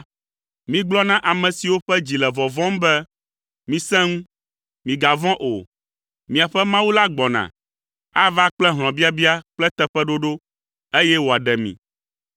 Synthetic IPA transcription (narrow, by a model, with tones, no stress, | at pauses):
mĩ˨ɡ͡blɔ˦nã˦ʔa˨mɛ̃˨si˨wo˦ɸɛ˦d͡ʑi˨lɛ˨vɔ˨vɔ̃˦m˦bɛ˦ | mĩ˨sɛ̃˦ŋũ˦ | mĩ˨ɡa˨vɔ̃˦ʔo˨ | mĩ˨a˨ɸɛ˦mã˦wu˦la˦ɡ͡bɔ˨nã̰˨ | a˦va˦k͡plɛ˦ɦl̃ɔ̃˨bi˦a˦bi˦a˦k͡plɛ˦t̪ɛ˦ɸɛ˦ɖo˦ɖo˦ | e˦jɛ˦wo˨a˨ɖɛ˨mḭ̃˨